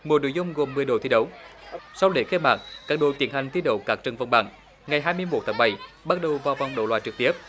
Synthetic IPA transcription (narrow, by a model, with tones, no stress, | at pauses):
mu˨˩no̰˧˦jzʊ˧ŋ͡mɣo˨˩mːɨ˨˩əjɗo̰˧˩t̪ʰi˧˥ɗə˨˦wsa˧wɗe˧˩xe˧ma̰ː˧˩k̚kaː˦˥k̚ɗo̰˧˨t̪i˨˩ənha˨˩ŋt̪i˧˦ɗə̰˧˨˦wkaː˦˥k̚t͡ɕə˨˧˩nvə˧wŋ͡mɓa̰ː˧˩ŋ | ŋa˨˩jɦaː˧jmɨ˧əjmo˨˩t̪ʰaː˨˦ŋ͡mɓa˧˩jɓa˦˥t̚ɗə˨˩wvaː˨˩wva˨˧wŋ͡mɗə̰˧˨wlwaː˧˨j̚t͡ɕɨ˨˩k̚t̪i˦˥əp̚